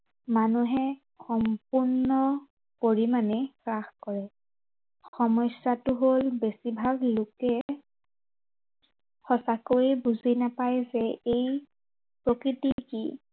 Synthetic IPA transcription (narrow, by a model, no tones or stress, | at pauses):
manuɦɛ | xɔmpuɹnɔ | poɹimanɛkɹaxkɔɹɛ | xɔmɔjsatʊɦolbesibʱaɡlokɛ | xɔsakoɹibuzinapajzɛej | pɹokɹitikḭ